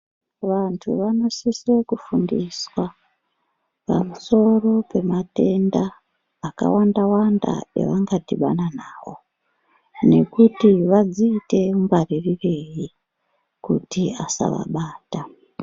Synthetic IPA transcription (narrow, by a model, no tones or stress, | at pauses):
ʋantʰṵʋano̞sisekufundiswa | pa̰muso̞ro̞pe̞mate̞ndaː | ka̰wandawanda̰jḛʋaŋɡatiɓa̰nanaːʋo̞̰ | ne̞kutiʋad͡ziːte̞uŋɡaririreji | kutiasa̰ʋa̰ɓaːta